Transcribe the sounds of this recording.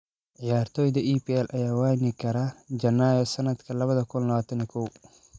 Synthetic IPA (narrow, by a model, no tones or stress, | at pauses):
ʕɪjaːɾt̪ʰɔːjd̪ɐʔiːpiːɛlʔɐjaːwaːjnɪkʰɐɾad͡ʒɐnːaːjɔsɐnɐd̪kʰɐlɐβɐðɐkʰʊnlɐʋaːt̪ʰɐnɪkʰɔw